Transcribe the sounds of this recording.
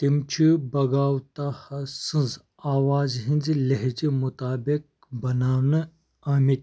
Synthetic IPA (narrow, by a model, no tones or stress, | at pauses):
t̪imt͡ʃʰibɐɡaːwt̪ahɐsɨnz | aːwaːzɦĩnzilɐɦd͡ʒimut̪aːbik̚ | bɐnaːwnɨ | ɐmit̪̚